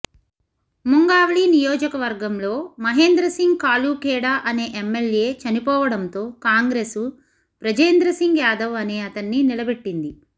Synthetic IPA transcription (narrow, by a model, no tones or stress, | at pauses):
muŋɡaːʋɐɭinijoːd͡ʒɐkɐʋɐɾɡɐmlo̞ːmɐɦe̞ːnd̪ɾɐsiŋɡkaːluːkɛːɽaːʔɐne̞ːʔemːelje̞ːt͡ʃɐnipɔːʋɐɽɐnt̪o̞ːkaːŋɡɾe̞ːsu | pɾɐd͡ʒeːnd̪ɾɐsiŋɡjaːd̪ɐʋɐneːɐt̪ɐnːinilɐbeʈːind̪i